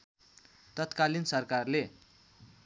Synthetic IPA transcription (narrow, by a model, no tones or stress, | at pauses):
t̪ʌt̪kalinsʌrkarle